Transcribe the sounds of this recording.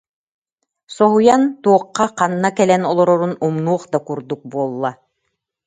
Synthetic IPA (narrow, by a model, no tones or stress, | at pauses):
sɔɦujant̪uɔqːɑqɑnːakɛlɛnɔlˠɔɾɔɾunumnuɔχd̪akuɾd̪uk̚buɔlˠːa